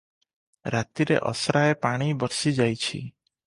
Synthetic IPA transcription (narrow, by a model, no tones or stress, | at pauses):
ɾat̪iɾḛʔɔ̰sɾaepaɽ̃ibɔɾsid͡ʒajt͡ʃʰḭ